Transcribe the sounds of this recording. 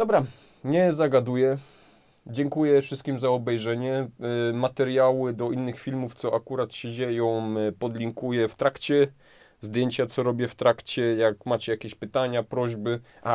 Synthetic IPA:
d̪̥ɔbɾa | ɲɛzaɡad̪ujɛ | d͡ʑɛŋkujɛfʂɘst̪kʲimzaɔbɛjʐɛɲɛmat̪ɛɾjawɘd̪ɔinːɘxfʲilmuft̪sɔʔakuɾat̪ɕɛd͡ʑejɔ̃w̃pɔd̪lʲiŋkujɛft̪ɾakt͡ɕɛ | zd̪ʲjeɲt͡ɕat̪sɔɾɔbʲjɛft̪ɾakt͡ɕɛjakmat͡ɕɛjakʲeɕpɘt̪aɲapɾɔʑbɘ | a

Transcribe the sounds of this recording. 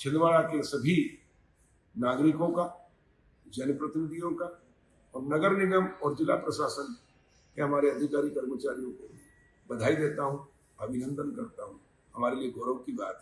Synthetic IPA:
t͡ʃʰɪlʋaːɭakesɐbʱi | naːɡɾɪkõka | d͡ʒɐnpɾɐt̪ɪnɪd̪ʱijõka | ɔːɾnɐɡəɾnɪɡəmɔːɾd͡ʒɪla̰pɾɐʃaːsən | keɦɐmaːɾeɐd̪ʱɪkaːɾikɐɾmət͡ʃaːɾijõko | bɐd̪ʱaːid̪eːt̪aɦũ | ɐbʱɪnə̃nd̪ənkɐɾt̪aɦũ | hɐmaːɾelieɡɔːɾəwkibaːt̪

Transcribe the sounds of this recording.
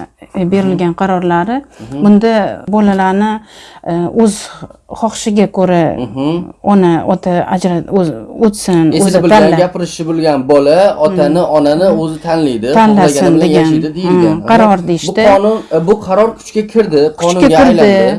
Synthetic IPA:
be̞ɾɪlɡʲanqʰɑɾɒɾlaɾɪbʊnd̪abɒlalaɾnɪ | ɵz̥χɒχʃɪɡʲakʰoɾa | ɒnaɒt̪ʰaa̰d͡ʒɾaot̪sɪnozɪb̪ʰaːɡʲapɪɾɪʃɪbolˠɡʲanbɒlaɒt̪ʰanɪʔɒnanɪɵzɪt̪ʰanlajd̪ɪt̪ʰanlasɪnd̪eɡʲand̪ɪd̪eqʰɑɾɒɾd̪ejɪʃt̪ɪɒnʊnbʊqʰɑɾɒɾkʲʰʊ̥t͡ʃkʲakʲʰɪɾd̪ɪkqʰʊɒt͡ʃ̪ʊkʲaʊɾjlɪ

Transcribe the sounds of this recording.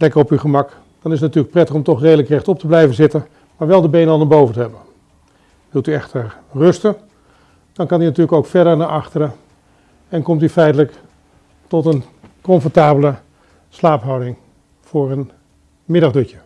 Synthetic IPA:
lɛkərɔpyχəmɑk | d̥ɑnɪsətnatyːɹlək̚prɛtəχɔmtɔχrejdələkrɛχtɔp̚təblɛjvənzɪtən | maːɹʋɛlˠdəbejnəɑlˠnaɹbowvəntəɦɛbən | ʋɪlˠtyɛχtəɹ | rɵstən | d̥ɑnkɑninatyːləkowkfɛɹdəɹnaɹʔɑχtərə | ɛnkɔmtyfɛjtələk | tɔtən | kɔɱfɔɹtaːbələ | slaːpɦɑwdɪŋ | fʊːɹən | mɪdɑχdøcə

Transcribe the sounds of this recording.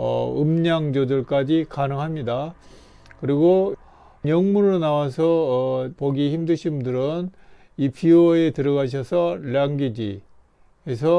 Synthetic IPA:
ʌ̰ɯmɲaŋd͡ʑodɯɭk͈ad͡ʑikanɯŋɦamɲida | kɯɾiɡo | mʌŋmuɾonawasʰʌpoɡiçimdɯɕʰimdɯɾɯn | ipʰioʌe̞tɯɾʌɣaɕʰʌsʰʌljaŋɡid͡ʑḭ | es̬ʰʌ

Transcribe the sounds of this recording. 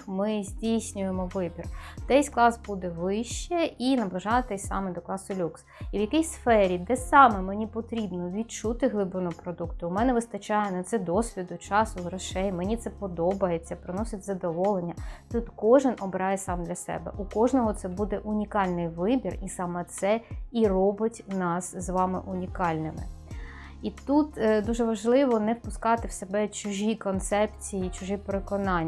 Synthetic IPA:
mɪzʲdʲijsʲnʲʊjemɔʋɪbʲird̪ɛsʲklˠɑsbud̪ɛʋɪʃt͡ʃːɛinɐblˠɐʒɑɐt̪ɛsʲsɑ̰mɛd̪ɔklˠɑsʊlʲuksiʋjɐkʲijsfɛɾʲid̪ɛsɑmɛmenʲipɔt̪ɾʲibnɔʋʲid̚t͡ʃut̪ɪɦlˠɪbɾɔnɔɔpɾɔd̪ukt̪ʊʊmɛnɛʋɪst̪ɐt͡ʃɑjɛnɐt̪sɛd̪ɔsʲʋʲid̪ʊt͡ʃɑsʊɦɾɐʃɛjmenʲit̪sɛpɔd̪ɔbɐjet͡sʲːɐpɾɪnɔsʲɐtʲzɐd̪ɔʋɔlˠenʲːɐt̪ut̪kɔʒɪnɔbɾɑjɛsɑmd̪lʲɐsɛ̰bɛ̰ʔukɔʒnɔɦɔt̪sɛbud̪ɛʔʊnʲikɑlʲnɪjʋɪbʲirisɑmɛt̪sɛirɔbɪtʲnɑszʋɑmɪ̰ʔʊnʲikɑlʲnɪmɪ̰ | it̪ut̪d̪uʒɛʋɐʒlˠɪʋɔnɛwpʊskɑt̪ɪwsebɛt͡ʃʊʒʲikɔnt̪sɛpt͡sʲijit͡ʃʊʒipeɾekɔnɑnʲː

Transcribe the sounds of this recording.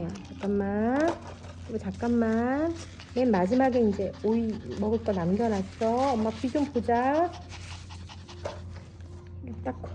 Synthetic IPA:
at͡ɕak͈amːan | kiɡut͡ɕak͈anːan | menmad͡ʑimaɡeind͡ʑe̞oimʌɡɯt͈ʌnamɡʲjʌnat͡ɕʰʌʌmːapid͡ʑompod͡ʑa | ɡet͈akkʰ

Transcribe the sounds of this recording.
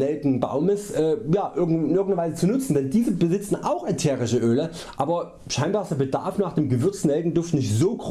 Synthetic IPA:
ɛldŋ̩ba̰ʊməsʔɛːjaːʔɪɐɡŋ̩ɪnʔɪɐɡŋ̩dɐvaɪzət͡sunʊt͡sn̩dɛndiːzəbəzɪt͡sn̩ʔaʊxatʰeːʁɪʃəʔøːlə | ʔʔaːbɐ | ʃaɪnbaːstɐbəda̰ɐfnaːχd̥eːmɡəvʏɐt͡sn̩ɛlɡŋ̩dʊftnɪçtz̥oːɡʁ

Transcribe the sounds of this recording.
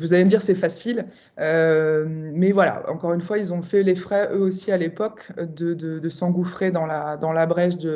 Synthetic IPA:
vuzaleməd̪iʁsɛfasil | ø | mɛvwala̰ɑ̰̃kɔʁynfwailzɔ̃fɛlefχɛʔøosialepɔkd̪əd̪əd̪əsɑ̃ɡufχed̪ɑ̃lad̪ɑ̃labʁɛʃd̪ə

